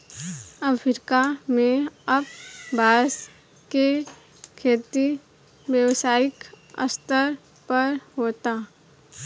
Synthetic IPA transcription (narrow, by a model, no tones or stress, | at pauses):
əfʰɾkamẽɐb̚bʱaːs | ke | kʰeːt̪i | ʋjəwsaːɪk | ə̰st̪əɾ | pəɾɦoːt̪a